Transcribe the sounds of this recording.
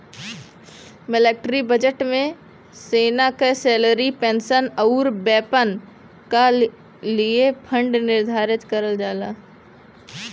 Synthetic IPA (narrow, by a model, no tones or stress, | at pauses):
mɪleːkʈɾibəd͡ʒəʈmẽ | seːnakesɛːləɾipẽːnsənəuɾbɛːpən | ka | liepʰə̃ɳɖnɪɾd̪ʱaːɾɪt̪kəɾəld͡ʒaːlaː